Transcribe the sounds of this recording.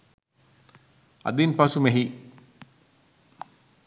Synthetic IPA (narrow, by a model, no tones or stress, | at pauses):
ɐ̰d̪inpasumeɦi